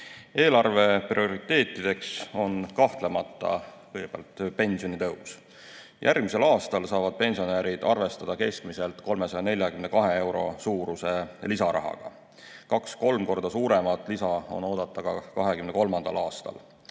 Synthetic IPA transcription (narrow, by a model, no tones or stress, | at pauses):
e̞ːlɑrve̞prio̞ɾit̪ːˑe̞ːt̪ːˑid̪̥e̞kso̞nkɑht̪le̞mɑt̪ˑːɑ̰kɤjɡ̥epḛɑ̰lt̪pe̞nsionit̪ɤ̞us | jʔærɡ̥mise̞lɑːst̪ɑlsɑːvɑd̪̥̚pe̞nʲsio̞neːɾid̪̥ɑ̰rve̞st̪ɑd̪̥ɑke̞skmiselt̪ˑko̞lme̞sɑjɑne̞lʲjɑkymne̞kɑɦe̞e̞wɾo̞̰suːɾuse̞lisɑɾɑ̰ɦɑ̰ɡ̥ɑ̰ | kɑksko̞lmko̞rd̪̥ɑsuːɾe̞mɑt̪ːˑlisɑo̞̰no̞ːd̪̥ɑt̪ːˑɑɡ̥ɑkɑɦe̞kymnko̞lmɑnd̪̥ɑ̰lɑːst̪ɑ̰l